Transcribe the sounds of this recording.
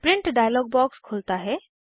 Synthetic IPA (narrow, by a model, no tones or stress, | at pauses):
pɾɪɳʈɖajəlɔːɡ̚bɔːkskʰʊlt̪aɦɛ